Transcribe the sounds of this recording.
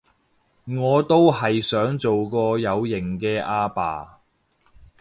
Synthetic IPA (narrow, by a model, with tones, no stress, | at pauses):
ŋɔː˨˧t̪o˥whɐ˨jsœː˨˥ŋt͡so˨wkɔː˧jɐ˨˧wjɪ˨˩ŋkɛː˧ʔaː˧pa̰ː˨